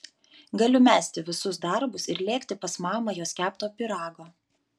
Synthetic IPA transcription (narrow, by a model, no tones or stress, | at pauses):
ɡɐlʲʊmʲæːsʲt̪ʲɪʋʲɪsʊsd̪ɐɾbʊsɪɾlʲeːkʲt̪ʲɪpɐsmɑːmɐjoːsʲkʲæːpt̪oːpʲɪɾɑːɡoː